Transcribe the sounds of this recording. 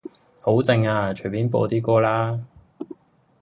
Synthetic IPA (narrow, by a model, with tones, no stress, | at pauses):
ho˨˥wt͡sɪ˧ŋaː˧t͡ʃʰɵ˨˩piː˨˥npo̰ː˧t̪iː˥kɔː˥laː˥